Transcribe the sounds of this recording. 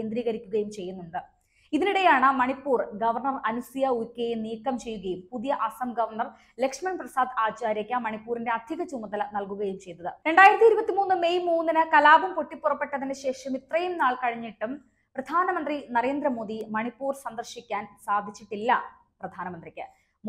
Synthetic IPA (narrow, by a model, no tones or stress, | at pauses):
kend̪ɾiːɣɐɾikʲːuɣɐjumt͡ɕe̞jːunːuɳɖɨ | iðiniɽe̞jaːɳɨmɐɳipːuːrɡɐʋɐrɳɐrɐnusijɐukʲːejeniːkːɐmt͡ɕe̞jːuɣɐjumpuðijɐʔɐsɐmɡɐʋɐrɳɐr | lekʂmɐnprɐsaːd̪aːt͡ɕaːɾjɐkʲːɐmɐɳipːuːɾinde̞ɐd̪ʱiɣɐt͡ɕumːɐðɐlnɐlkuɣɐjumt͡ɕe̞jnːɐðɨɾe̞ɳɖaːjiɾɐt̪ːiɾubɐt̪ːimuːnːɨme̞jmuːnːinɨkɐlaːbɐmpoʈːipːurɐpːe̞ʈːɐðinɨɕe̞ːʂɐmit̪rɐjumnaːɭkɐɻiɲːiʈːum | prɐd̪ʱaːnɐmɐnd̪rinɐɾe̞ːnd̪ɾɐmo̞ːd̪imɐɳipːuːrsɐnd̪ɐrɕikʲːaːnsaːd̪ʱit͡ɕːiʈːilːɐ | prɐd̪ʱaːnɐmɐnd̪rikʲːɨ